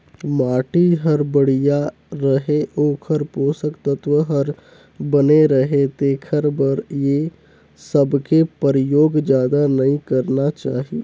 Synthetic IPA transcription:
maːʈiɦəɾbəɽ̤ija | ɾəɦeʔoːkʰəɾpoːsəkt̪ət̪ʋəɦəɾ | bəneɾəɦet̪eːkʰəɾbəɾje | səbkepəɾjoːɡd͡ʒjaːd̪anəĩkəɾnat͡ʃaːɦi

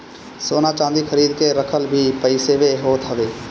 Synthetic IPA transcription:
soːnãːt͡ʃãːnd̪iːkʰəɾiːd̪keːɾəkʰəlbʱiːpəɪseːʋeːɦoːt̪ɦəʋeː

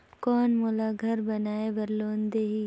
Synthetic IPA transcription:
kɔːnmolaɡʱɐɾbɐnaːeʋɐɾloːnd̪eːɦiː

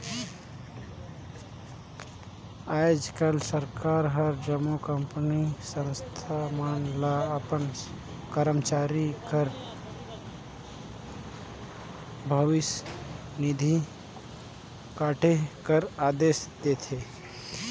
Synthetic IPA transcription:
aːd͡ʒkəlsəɾkaːɾɦəɾd͡ʒəmukəmpnisə̃nst̪ʰamaːnlaəpən | kəɾəmt͡ʃaːɾikəɾ | bʱəʋɪs | nɪd̪ʱi | kaːʈʰekəɾaːd̪eːʃd̪eːt̪ʰeː

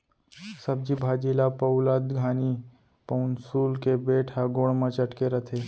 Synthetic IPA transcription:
sɐb̚d͡ʒibʱaːd͡ʒiːlapəʊlad̪ɡʱaːni | pənsuːlkebeːʈʰaɡoːɽmə̃t͡ʃəʈkeɾət̪ʰeː

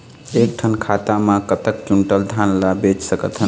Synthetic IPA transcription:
ek̚ʈʰənkʰat̪amãkət̪ək̚t͡ʃuɳʈəld̪ʱanlabet͡ʃsəkə̰t̪ɦən

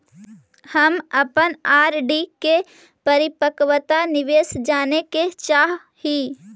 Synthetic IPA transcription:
həməpənaːɾɖike | pəɾɪpəkʋət̪anɪʋeːsd͡ʒaːneket͡ʃaːɦ | hiː

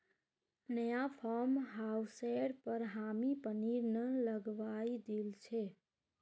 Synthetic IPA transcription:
nəjapʰɔɾmɦawseɽpəɾɦamipəniɾnələɡʋajd̪elt͡ʃʰɛ

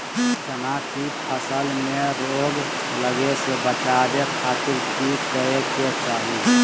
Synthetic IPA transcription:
sənakipʰəsəlmẽɾoːɡ | ləɡesebət͡ʃaːɾekʰaːt̪ʰɪlkikəeket͡ʃaːɦi

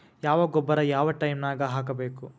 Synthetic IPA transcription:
jaːʋɐɡɔbːɐɾɐjaːʋɐʈɐjmnaːɡɐɦaːk̬ɐbeːku

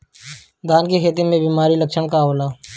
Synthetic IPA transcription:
d̪aːnkekʰeːt̪̬imẽbiːmaːɾiləkʃəɽ̃kaɦoːlaː

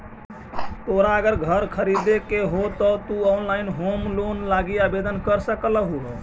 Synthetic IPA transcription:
t̪oɾaəɡəɾɡʱəɾkʰəɾid̪ekeɦot̪ɔt̪uɔnlaɪnɦomlonlaɡiabed̪ənkəɾsəkələɦuɦo

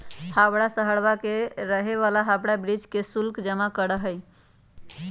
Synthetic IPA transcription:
habɽasəɦəɽbakeɾəɦeβalaɦabɽabɾid͡ʒkesulkd͡ʒəmakəɾəɦəj

